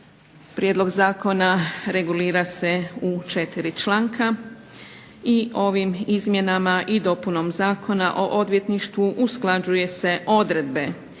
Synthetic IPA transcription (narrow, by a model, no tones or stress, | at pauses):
pɾʔjed̪lˠo̞ɡzaːko̞naɾe̞ɡuliːɾase̞ut͡ʃe̞t̪iɾit͡ʃlˠaːŋkʰa | iʔo̞ʋimizmje̞namaʔid̪o̞puno̞mzaːkʰo̞na̰ʔo̞ʔo̞d̪ʋje̞t̪niʃt̪ʋuʔusklˠad͡ʑuje̞se̞ʔo̞d̪ɾe̞d̪̚be̞